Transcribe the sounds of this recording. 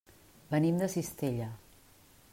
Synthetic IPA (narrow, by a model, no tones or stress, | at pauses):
bənimd̪əsist̪eʎə